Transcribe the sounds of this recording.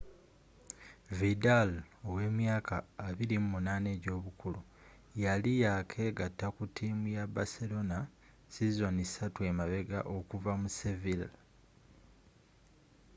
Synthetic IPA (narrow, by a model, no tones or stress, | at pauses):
vidalowe̞ːmjaːkʰaːβilimumunaːne̞ːɟo̞ːβukulu | jalijakʰe̞ːɡatːakutʰiːmujabaselo̞na | sizo̞nisatwe̞ːmaβe̞ɡaʔo̞kuvamusevil